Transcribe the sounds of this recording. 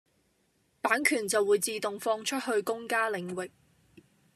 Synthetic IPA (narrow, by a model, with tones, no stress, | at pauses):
paː˨˥nkʰyː˨˩nt͡sɐ˨wuː˨˧˥jt͡siː˨˧t̪ʊ˨ŋfɔː˧ŋt͡ʃʰɵ˥t̚hɵ˧ɥkʊ˥ŋkaː˥lɪ˨˥ŋwɪ˨k̚